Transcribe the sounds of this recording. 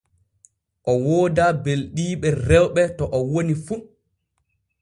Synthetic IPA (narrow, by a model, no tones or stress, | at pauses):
ʔɔwoːdabelɗiːɓɛrɛwɓɛtɔʔɔwonifu